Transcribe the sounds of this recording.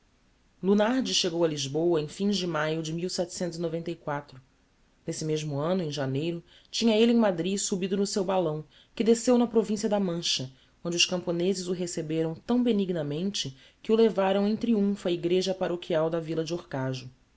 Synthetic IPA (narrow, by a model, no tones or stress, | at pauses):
lunaɾd͡ʒɪʃeɡowɐliʒbowɐẽj̃fĩzʒd͡ʒɪmajʊd͡ʒɪmiwsɛt͡ʃɪ̥sẽnt̪ʊzinovẽnt̪ɐikwat̪ɾʊ | nesɪmeʒmʊɐ̃nʊẽʒanejɾʊ | t͡ʃĩɲɐelɪẽj̃mad̪ɾisubid̪ʊnʊsewbalɐ̃w̃ | kɪd̪esewnɐpɾovĩsiɐd̪ɐmɐ̃ʃɐ | õnd͡ʒʊʃkɐ̃mponezɪzʊɦesebeɾɐ̃w̃t̪ɐ̃w̃beniɡnɐmẽnt͡ʃɪ | kɪʊlevaɾɐ̃w̃ẽj̃t̪ɾiũfʊɐiɡɾeʒɐpaɾokʰiawd̪ɐvilɐd͡ʒɪoɾkaʒʊ